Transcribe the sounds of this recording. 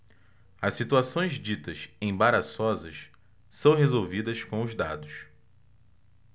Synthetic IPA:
ɐssit̪uasõj̃zd͡ʒit̪ɐsẽj̃baɾasɔzɐs | sɐ̃w̃ɦezowvid̪ɐskõw̃ʊzd̪a̰d̪ʊs

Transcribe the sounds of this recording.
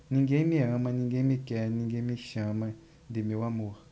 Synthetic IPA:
nĩŋɡemĩãmãnĩŋɡemikɛnĩŋɡemiʃãmã | nd̪imiwamua

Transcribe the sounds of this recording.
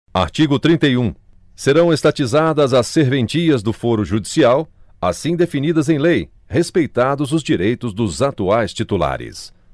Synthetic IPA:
a̰ɾt͡ʃiɡʊt̪ɾĩnt̪ejũ | seɾɐ̃w̃est̪at͡ʃizad̪ɐzɐsːeɾvẽnt͡ʃiɐzd̪ʊfoɾʊʒud͡ʒisiaw | asĩd̪efinid̪ɐzẽj̃lej | hespejt̪ad̪ʊzʊzd͡ʒiɾejt̪ʊzd̪ʊzat̪uajst͡ʃit̪ula̰ɾɪ̰s

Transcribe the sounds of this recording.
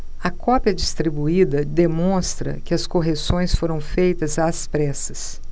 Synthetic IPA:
ɐkɔpjɐd͡ʒist̪ɾibuid̪ɐd̪emõst̪ɾɐ̰kɪɐskoɦesõj̃sfoɾɐ̃w̃fejt̪ɐzaːspɾɛsɐs

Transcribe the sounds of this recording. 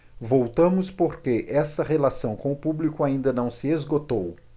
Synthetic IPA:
vowt̪ɐ̃mʊspoɾkeʔɛsɐʁelasɐ̃w̃kõʊpublikʊaĩnd̪ɐnɐ̃w̃sɪezɡot̪ow

